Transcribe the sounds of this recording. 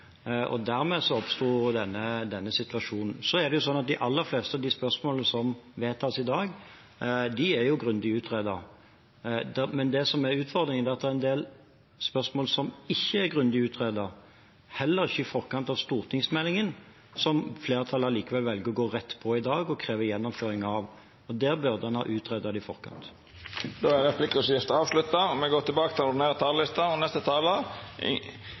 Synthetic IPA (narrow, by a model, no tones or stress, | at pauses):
ɔ̰d̪æɾmɛːsɔɔpst̪uːd̪ɛnːəd̪ɛnːəsɪt̪ʋɑʂuːnn̩sɔæʁd̪ɛjʊsɔnːɑt̪̚d̪ɪʔɑlːəɾfleːst̪əɑʋd̪ɪspœɾsmoːləsɔmʋeːt̪ʰɑːsɪd̪ɑːɡ | d̪ɪæɾjʊɡɾʉnd̪ɪʉːt̪ʰʁeːd̪əʁ | d̪mɛnd̪ɛsɔmæɾʉːt̪fɔʁd̪ɾɪŋənɛːɑt̪̚d̪ɛʁɛnd̪eːl | spœsmoːlsɔmɪçːəæɾɡʁʉnd̪ɪʉːt̪ʰʁeːd̪əɾ | hɛlːəɾɪçːəɪfɔʁkɑnt̪ɑʋst̪uːʁt̪ʰɪŋsmɛlːɪŋən | sɔmfleːɾət̪ʰɑlːəliːkəʋɛlʋɛlɡəʁɔɡoːʁɛt̪ːpʰɔɪd̪ɑːɡɔkʰɾeːʋəjɛnːɔmføːɾɪŋɑʋ | ɔd̪æːʁbœʁd̪əɛnhɑ̰ːʔʉːt̪ʰʁeːd̪əd̪əɪfɔ̰ʁkɑ̰nt̪ | d̪oːæɾʁɛpʰlɪkːəɔsjɪft̪əɑːʋslʉt̪ːɑmɛɡoːt̪ʰɪlbɑːkət̪ʰɪlɔɖ̪ɪneːɾət̪ʰɑːllɪst̪əɔnɛst̪ət̪ʰɑːlə